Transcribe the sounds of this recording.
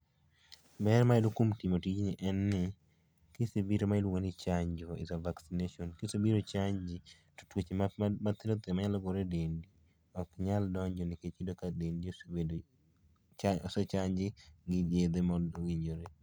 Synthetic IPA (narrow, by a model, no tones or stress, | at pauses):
bɛrmailokomtimotit͡ʃnɪʔɛnːɪ | kɪsibiɾomailwoŋonɪt͡ʃaɲd͡ʒoḭzavaksineʃɔnkɪsobiɾot͡ʃaɲd͡ʒi | tu̥twet͡ʃemat̪ɪɾot̪emaɲalɔɡoɾedendi | ɔkɲaldɔɲd͡ʒɔnɪket͡ʃidokadendisbedo | ɔsɔt͡ʃaɲd͡ʒɪɡɪd͡ʒed̪emɔwiɲd͡ʒoɾe